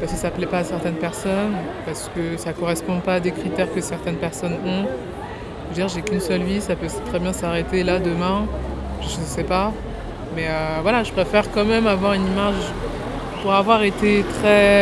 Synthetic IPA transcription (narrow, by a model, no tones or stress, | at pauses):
paʁskəsaplɛpaːsɛʁt̪ɛnpɛʁsɔn | paʁsə̥kəsakɔʁɛspɔ̃paːd̪ekχit̪ɛʁkəsɛʁt̪ɛnpɛʁsɔnɔ̃ | əd̪iʁʒekʲynsœlvisapøst̪χɛbjɛ̃saʁet̪elad̪əmɛ̃ | ʒəʒəsɛpa | mɛøvwalaʒəpχefɛʁkɑ̃mɛmavwaʁynimaʒ | puʁavwaʁet̪et̪χɛ